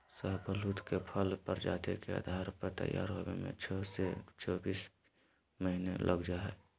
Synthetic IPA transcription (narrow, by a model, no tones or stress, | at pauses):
səɦbʱəlut̪kepʰəlpəɾd͡ʒa̰ːt̪ekea̰d̪ʱaːɾpəɾt̪ə̰ja̰ːɾɦobḛmḛ̃t͡ʃʰːset͡ʃɔːbiːs | məɦinelʔəɡd͡ʒaɦɛː